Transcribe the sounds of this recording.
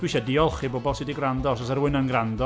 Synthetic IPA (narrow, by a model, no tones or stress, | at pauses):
d̥wɪʃɛdiɔlˠχibobɔlˠsɪdiɡrandɔs̬ɔs̬ɛɾwɪnənɡrandɔ